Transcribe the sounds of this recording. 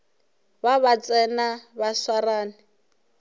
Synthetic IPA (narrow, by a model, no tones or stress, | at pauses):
baβat͡sʼɛnabaswaraːnɪ